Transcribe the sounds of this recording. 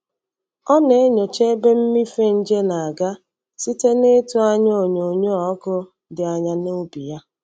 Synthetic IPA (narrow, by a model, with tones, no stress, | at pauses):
ɔ˦ne˨e˦ɲo˨t͡ʃe˦be˦m̩˦mi˦fe˦n̩˦d͡ʒe˦na˨a˨ɡa˦ | si˦te˦ne˦tu˦a˦ɲ˦o˨ɲo˨ɲo˦ɔ˨˦kʊ˦ | dɪ˨a˨ɲa˨no˦bi˨ja˦